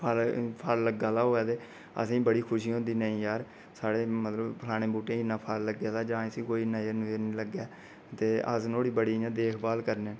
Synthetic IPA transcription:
pʰəlpʰaɾləɡaːlaːɦoːɛːt̪eː | ə̰s̬ĩːbəɽiːkʰʊʃiːɦõːnd̪iːnəĩːjaːɾ | saːɽeːmət̪ləbpʰəlaːɽ̃eːbuːʈẽːɪnːãːpʰaɾləɡaːlaːd͡ʒãːẽsĩːkoːiːnãːenũːenĩːləɡɛː | t̪eːʔə̰snoːɽiːbəɽiːjãːd̪eːkʰbaːlkəɾnẽː

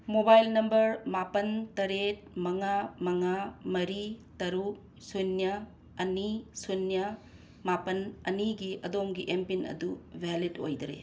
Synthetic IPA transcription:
mobajlnɐmbɐɾmapɐntɐɾet̚mɐŋamɐŋamɐɾitɐɾu | sunjɐ | ɐnisunjɐ | mapɐnɐ̰niɡiʔɐdomɡiʔempinɐ̰dubʱɛlido̰jdɾḛ

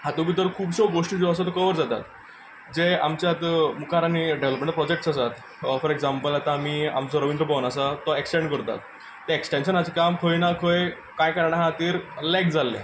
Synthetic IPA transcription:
hãt̪ubit̪əɾkʰuːbɕɔɡoʂʈid͡zoəsat̪ɔkəʋəɾd͡zat̪a̰t̪ | d͡zea̰mt͡ɕjat̪mukʰaɾaniɖeʋləpmẽɳʈpɾɔd͡ʑek̚ʈsasat̪ | fɔɾeɡd͡zampəlat̪ãːmiːa̰mt͡sɔɾəʋind̪ɾəbɔʋnasat̪ɔeksʈẽɳɖkəɾt̪a̰t̪ː | eeksʈenɕənɦat͡ɕekamkʰəjnakʰoj | kajkəɾaɽ̃aɦãt̪iːɾlɛk̚d͡zalːḛ̃

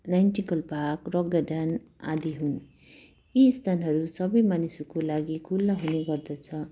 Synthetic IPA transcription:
najnʈikʌlpakrʌɡʌɖana̰d̪iɦun | ist̪ʰanɦʌɾusʌbʌjmanisukolaɡikʰulːʌɦuneɡʌrd̪ʌt͡sʰʌ

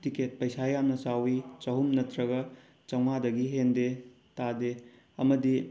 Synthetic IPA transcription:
tiket̚pɐjsajamnɐsawit͡ʃɐɦumnɐtɾɐɡɐ | t͡ʃɐwŋadɐɡiɦende | tade | ɐmɐdi

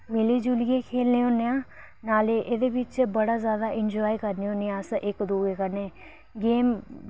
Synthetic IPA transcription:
mɪleːd͡ʒulɪjẽːkʰeːlneːõːneːãː | naːleːʔed̪eːbɪt͡ʃbəɽaːzjaːd̪aːʔɪnd͡ʒɔːikəɾneːõːneːãːsʔɪkd̪oːeːkəɾneː | ɡeːm

